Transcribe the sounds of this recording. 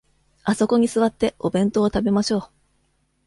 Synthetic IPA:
aso̞ko̞ɲ̟isɨβat̪ːe̞o̞bẽ̞nt̪o̞ːt̪abe̞maɕo̞ː

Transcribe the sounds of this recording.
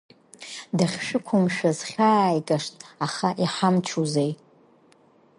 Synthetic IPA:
daχʲʂɨkʷʰʊmʃᶣazχʲaːjkʼaʂtʼaχaʔiħamt͡ʃʰuzej

